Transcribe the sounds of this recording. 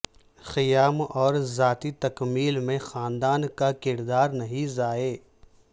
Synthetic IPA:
xɪjaːmɔːɾzaːt̪it̪ɐkmiːlmẽxaːnd̪aːnkakɪɾd̪aːɾnɐɦĩzaːeː

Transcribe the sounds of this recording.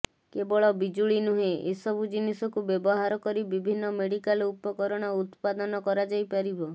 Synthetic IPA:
kebɔɭɔbid͡ʒuɭinuɦeʔesɔbʱud͡ʒinisɔkubjebɔɦaɾɔkɔɾibibʱinːɔmeɽikalupɔkɔɾɔɽ̃ɔut̪pad̪ɔnɔkɔɾad͡ʒajpaɾibɔ

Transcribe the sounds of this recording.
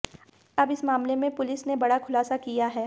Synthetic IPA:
ɐbɪsmaːmlemẽpʊlɪsnebɐɽakʰʊlaːsakijaɦɛː

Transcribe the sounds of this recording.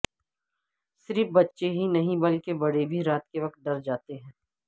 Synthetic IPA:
sɪɾfbɐtːʃeɦinɐɦĩbɐlkebɐɽebʱiɾaːt̪keʋɐkt̪̚ɖɐɾd͡ʒaːt̪eɦɛ̃ː

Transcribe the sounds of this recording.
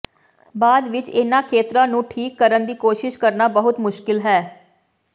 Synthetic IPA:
baːd̪ʋɪt͡ʃɪnãːkʰeːt̪ɾãːnũːʈʰiːkːəɾənd̪iːkoːʃɪʃkəɾnaːbəɦʊt̪mʊʃkɪlɦɛː

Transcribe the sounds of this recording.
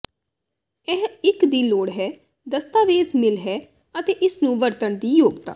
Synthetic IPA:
ɛɦɪkd̪iːloːɽɦɛː | d̪əst̪aːʋeːzmɪlɦɛː | ət̪eːʔɪsnũːʋəɾt̪əɳd̪iːjoːɡt̪a̰ː

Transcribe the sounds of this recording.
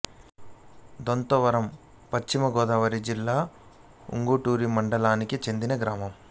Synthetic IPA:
d̪ont̪ɔʋɐɾɐm | pɐt͡ʃt͡ʃːimɐɡɔːd̪aːʋɐɾid͡ʒilːaː | ṵŋɡuʈuːɾimɐɳɖɐlaːnikit͡ʃe̞nd̪inɐɡɾaːmɐm

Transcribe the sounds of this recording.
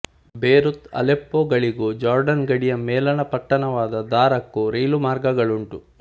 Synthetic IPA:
beːɾut̪ɐ̰lepːoːɡɐɭiɡud͡ʒaːɾɖɐnɡɐɽijɐmɛːlɐnɐpɐʈːɐnɐʋaːd̪ɐd̪aːɾɐkːuɾiːlumaːɾɡɐɡɐɭuɳʈu

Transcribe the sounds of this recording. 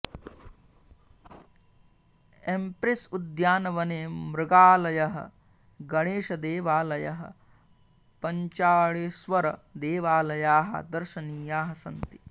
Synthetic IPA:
empɾisud̪jaːnɐʋɐneːmɾɪɡaːlɐjɐɦɐ̰ | ɡɐɽeːʃɐd̪eːʋaːlɐjɐɦɐ̰ | pɐɲt͡ʃaːɭisʋɐɾɐd̪eːʋaːlɐjaːɦɐ̰d̪ɐɾʃɐniːjaːɦɐsɐnt̪i

